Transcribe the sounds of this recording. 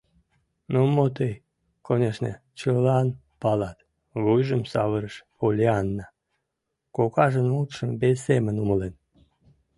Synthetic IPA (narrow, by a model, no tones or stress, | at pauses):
nomot̪əj | konʲeʃnḛ | t͡ɕəlɑn | pɑlɑt̪ | βujʒəmsɑβəɾəʃpolʲeɑnːɑ | kokɑʒənmut̪ʃəmbesːemənuməlen